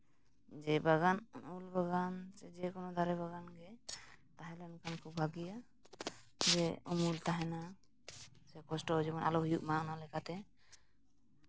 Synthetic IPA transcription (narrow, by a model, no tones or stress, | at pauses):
d͡ʒɛbaɡanulbaɡant͡ʃɛd͡ʒɛkɔnɔd̪ʱaɾɛbaɡanɡɛt̪aɦɛ̃lɛnkʰankʰubʱbʱaɡija | d͡ʒɛumult̪aɦɛna | sɛkɔsʈɔɦd͡ʒɛbɔnʔa̰lɔɦujuʔ̚manalɛkat̪ɛ